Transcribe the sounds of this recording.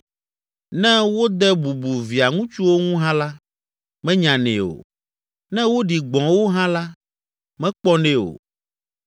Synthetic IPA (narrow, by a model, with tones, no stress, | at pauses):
nɛ̃˦wo˦d̪ɛ˦bu˨bu˨vi˨a˨ŋũ˦t͡ʃu˦wo˦ŋũ˦ɦã˦la˦ | mɛ̃˦ɲã˨nɛ̰̃˨o̰˨ | nɛ̃˦wo˦ɖi˨ɡ͡bɔ̃˨wo˦ɦã˦la˦ | mɛ̃˦k͡pɔ˦nɛ˦o̰˨